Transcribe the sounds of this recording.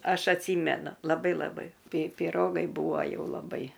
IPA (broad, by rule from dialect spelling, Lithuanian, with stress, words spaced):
ˈɐʃ ɐtʲˈsʲiːmʲɛnʊ lˠɐˈbɐɪ lˠɐˈbɐɪ ˈpʲɪ pʲɪˈroːɡɐɪ ˈbuːʋɐ ˈjɛʊ lˠɐˈbɐɪ